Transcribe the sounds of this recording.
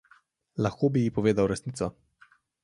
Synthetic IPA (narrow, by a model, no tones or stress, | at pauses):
laxkoːbijipɔʋeːd̪awɾɛsnit̪sɔ